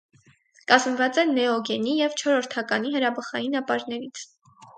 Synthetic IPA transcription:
kɑzmvɑt͡sɛnɛɔɡɛnijɛvt͡ʃʰɔɾɔɾt̪ʰɑkɑniɦəɾɑbəχɑjinɑpɑɾnɛɾit͡sʰ

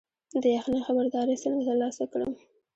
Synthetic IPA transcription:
d̪əjaxnaxabaɾd̪ɑɾəsəlɡat̪əɾlɑsakɽə̰m

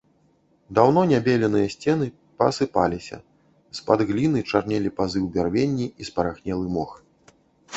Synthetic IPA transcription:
d̪awnɔnʲabʲelʲɛnɨjɐsʲt͡sʲɛnɨ | pɐ̰sɨpalʲisʲɐ̰ | spad̪ɣlʲinɨt͡ʂarnʲɛlʲipazɨwbʲarvʲenʲːiispɐɾaxnʲɛlˠɨmɔx

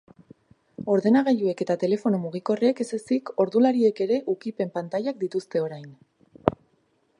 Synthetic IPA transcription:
o̞ɾðe̞naɣaʎue̞ke̞t̪at̪e̞le̞fo̞nomuɣ̞iko̞reeke̞se̞siko̞ɾðulaɾie̞ke̞ɾe̞ʔukipe̞mpant̪ajak̚d̪it̪ust̪e̞o̞ɾajn

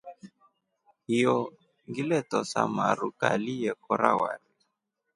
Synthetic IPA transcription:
hijɔ | ŋɡilɛtɔsa̰maɾukalijɛkɔɾa̰waɾi

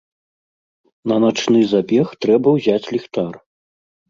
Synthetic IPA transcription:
nɐnat͡ʂnɨzabʲɛxt̪ɾɛbɐwzʲat͡sʲlʲixt̪ar

